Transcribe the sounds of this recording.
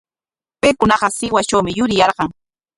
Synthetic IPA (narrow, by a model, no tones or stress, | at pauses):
pejkʊnɑɢɑsɪwat͡ʃawmɪjʊɾɪjɑɾɢɑŋ